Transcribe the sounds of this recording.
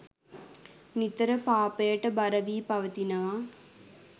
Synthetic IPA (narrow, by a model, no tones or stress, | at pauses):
mit̪əɾəpaːpəjəʈəbɐɾəʋiːpɐʋət̪inəʋa